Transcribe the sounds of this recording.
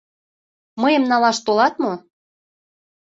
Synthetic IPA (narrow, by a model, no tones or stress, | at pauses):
məjəmnɑlɑʃt̪olɑt̪mo